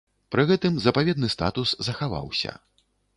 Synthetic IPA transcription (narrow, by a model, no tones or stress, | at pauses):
pɾɨɣɛt̪ɨmzɐpavʲɛd̪nɨst̪a̰t̪uszɐxava̰wsʲɐ̰